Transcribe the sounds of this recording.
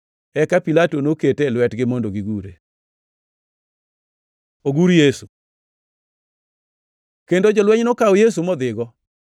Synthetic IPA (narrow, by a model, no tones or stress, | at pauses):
ɛkapilatonoketelwɛtɡɪmondoɡiɡuɾḛ | oɡuɾjesu | kendod͡ʒɔlwɛɲnokaɔjes̬umɔd̪ɪɡɔ